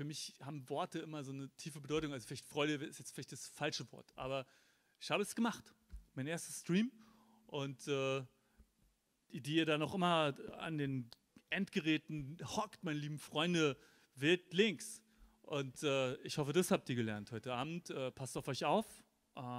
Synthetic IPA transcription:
fyɐmɪçhaːbm̩vɔɐtəʔɪmɐzoːnətʰiːfəbədɔʏtʊŋalzoflaɪçtfʁ̥ɔʏɾəvɛɪsjɛt͡stfɪlaɪçt̚d̥asfalʃəvɔ̰ɐtʔa̰ːbɐ | ʔɪçhaːbəɛsɡ̥əmaχt | maɪnʔeːɐstəstʁ̥iːm | ʔʊntɛː | didiːiːɐɾanɔχʔɪmɐa̰ndeːn | ʔɛntɡ̥əʁɛːtn̩hɔktmaɪnəliːbm̩fʁ̥ɔʏndə | vɪltlɪŋks | ʔʊntɛːɪçhɔfədashap̚tiːɐɡəlɛɐnthɔʏtəaːbm̩tʔɛːpʰastaʊfɔʏçaʊf | ʔɛː

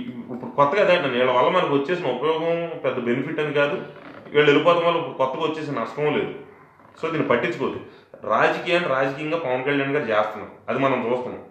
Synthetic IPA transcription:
ipːuɽukɔt̪ːɐɡad̪aːɐniːɭːɐʋɐlːɐmɐnɐkiʋɐt͡ʃːe̞ːsinɐupɐjɔːɡɐ̃mpɛd̪ːɐbe̞nipʰiʈːɐnikaːd̪uʋʔḭːɭːɐe̞lipɔːt̪ɐnʋɐlːɐipːuɽukɔt̪ːɐɡaʋɐt͡ʃːeːs̬inɐɐsʈɐmoːle̞ːd̪u | soːd̪iːnipɐʈːit͡ʃɐkoːt̪i | ɾaːd͡ʒɐkiːjaːnːiɾaːd͡ʒɐkijɐŋɡaːpɐʋɐnkɐɭjaːɳɡaːɾut͡ʃɛːst̪ɐnːɐ̰mɐd̪imɐnɐmt͡ʃuːst̪ɐndɐ̰m

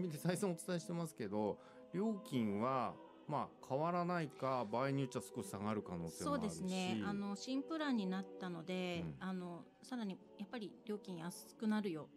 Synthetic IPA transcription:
mʲid̪e̞saisõot͡sɨ̥t̪aeɕi̥t̪e̞masɨ̥ke̞d̪o̞ | ɾʲo̞ːkʲĩɰ̃βa | maːkʰaβaɾanaikabaːiɲ̟iot͡ɕːasɨ̥koɕi̥saɡaɾɯ̟kano̞ːt̪eso̞ːd̪esɨne̞ano̞ɕĩmpɯ̟ɾaɲ̟ːinat̪ːano̞d̪e̞ano̞ | saɾaɲ̟i | japːaɾʲiɾʲo̞ːkʲĩɰ̃jasɨ̥kɯ̟naɾɯ̟jo̞

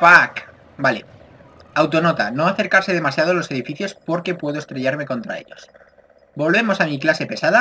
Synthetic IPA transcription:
pak | bale | awt̪o̞no̞t̪ano̞aθe̞ɾkaɾse̞ðe̞masjað̞olose̞ð̞ifiθjo̞spo̞ɾke̞pwe̞ðoest̪ɾe̞ʎaɾme̞ko̞nt̪ɾa̰e̞̰ʎo̞̰s | bo̞lβe̞mo̞samiklase̞pe̞saða

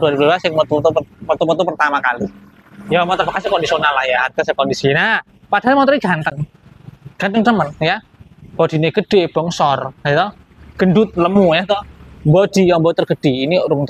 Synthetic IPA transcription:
duaɾibladasɪŋmət̪ut̪umət̪umət̪upərt̪amakali | jamat̪ərfakasikɔndisionalahjaark̪asakɔndisina | pad̥aɦalmat̪ɾiɡ̥ant̪əŋ | ɡ̥ant̪əŋt̪əmənja | b̥ɔd̥i̤neɡ̥əɖ̥eb̥ɔŋsɔrat̪ɔ | ɡ̥əndʊt̪̚ləmujaht̪ɔmbɔd̥i̤jambɔt̪ərɡəd̥einiɾʊŋt̪

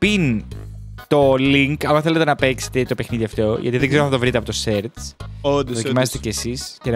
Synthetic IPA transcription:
pin | t̪o̞liŋkɐloθelet̪e̞nɐpe̞kse̥t̪et̪o̞pe̞xniðiɐft̪o̞ʝɐ̰t̪iðeɡzeɾoθɐt̪ovɾit̪eɐpo̞t̪ose̞ɾt̪sod̪ðoimɐsest̪ecesiscen

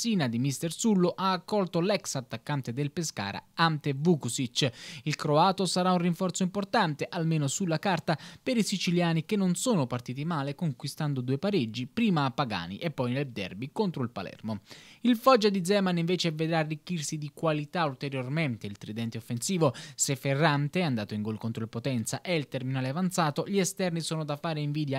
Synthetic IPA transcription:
siːnad̪imist̪ersulːoʔaːkːɔlt̪olɛksat̪ːakːant̪ed̪elpeska̰ːɾa̰ant̪evukusit͡ʃːilkɾoaːt̪osaɾaunriɱfɔrt̪soimport̪ant̪eʔalmeːnosulːakart̪apeɾisit͡ʃiljaːnikenːonsoːnopart̪iːt̪imaːlekoŋkwist̪and̪od̪uːepaɾed͡ʒːipɾiːmaːpːaɡa̰ːnḭʔepːɔjneld̪ɛ̰rbikont̪ɾoilpa̰lɛ̰rmoilfɔd͡ʒːad̪id̪zɛːmaniɱveːt͡ʃeved̪ɾaːrːikːirsid̪ikwalit̪ault̪eɾjorment̪eilt̪ɾid̪ɛnt̪eofːensiːvosefːerːant̪eand̪aːt̪oiŋɡolkont̪ɾolepot̪ɛnt̪saʔɛilt̪erminaːleavant̪saːt̪oʎiɛst̪ɛrnisoːnod̪afːaːɾeiɱviːd̪ja

